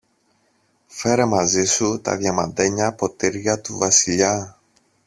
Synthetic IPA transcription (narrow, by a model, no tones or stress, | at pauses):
fe̞ɾe̞mɐzisut̪ɐ̰ðʝɐmɐnd̪e̞ɲɐpo̞t̪iɾʝɐt̪uvɐsiʎɐ